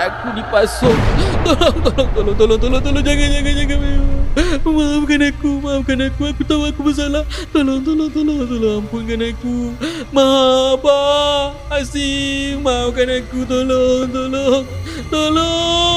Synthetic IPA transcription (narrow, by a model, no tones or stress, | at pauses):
akudipasokt̪oloŋt̪oloŋt̪oloŋt̪̬oloŋt̪oloŋt̪oloŋd͡ʒaɡand͡ʒaɡand͡ʒaɡanmeoməmaapkanakumaapkanakuakut̪oakubəs̬alat̪oloŋt̪̬oloŋt̪oloŋt̪oloŋampunkanaku | maɦabaː | simaapkanakut̪̬oloŋt̪̬oloŋt̪olo